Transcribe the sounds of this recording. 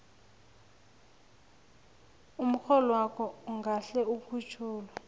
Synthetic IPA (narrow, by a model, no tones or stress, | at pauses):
um̩xɔlɔwakʰɔuŋɡaɬɛukʰut͡ʃʰuːla